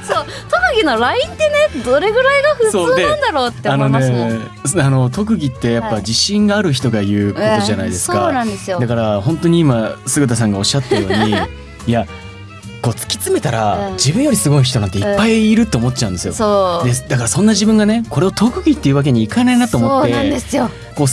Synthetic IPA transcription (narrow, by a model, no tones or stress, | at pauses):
so | t̪okɯ̟ɡʲino̞ɾaĩnt̪ːe̞ned̪o̞ɾe̞ɡɯ̟ɾaiɡaɸɯsoːd̪ẽnd̪aɾoːt̪ːeano̞ne̞sano̞t̪o̞k̬ɯ̟ɡʲit̪ːe̞japːad͡ʑiɕĩŋɡaːɾɯ̟çi̥t̪o̞ɡaiɯ̟ːko̞t̪o̞ʑanaid̪e̞sɨ̥okanãnd̪esɨjod̪akaɾahõ̞nt̪o̞ɲ̟iimasɨɡɯt̪as̬ãŋɡao̞ɕːat̪ːeɾɯjo̞ːɲi | ja | ko̞ːt͡sɨ̥kʲi̥t͡sɨme̞t̪aɾad͡ʑibɯ̟̃jo̞ɾʲisɨɡo̞iç̬i̥t̪oãnt̪eipːaiːɾɯ̟t̪ːeomo̞t̪ːt͡ɕãɯ̟nd̪e̞sɨjo̞̰sod̪ed̪akaɾasõ̞nːaʑibɯ̟̃ŋɡane̞ko̞ɾe̞ot̪ʰo̞kɯ̟ɡʲit̪ːe̞iɯ̟βak̬e̞ɲ̟iːkanainat̪omotːe̞d̪esɨjo | ko̞ː